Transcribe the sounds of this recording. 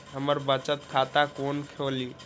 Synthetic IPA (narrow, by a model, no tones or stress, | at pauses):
ɦəməɾbət͡ʃət̪kʰat̪akonkʰoli